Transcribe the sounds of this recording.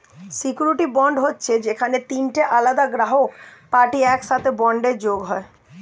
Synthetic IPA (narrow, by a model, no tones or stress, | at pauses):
sikjuɾiʈibɔɳɖɦotːɕʰed͡ʑekʰanet̪inʈeʔalad̪aɡɾaɦopaɾʈiɛkʃat̪ʰebɔɳɖeɾd͡ʑoɡɦɔe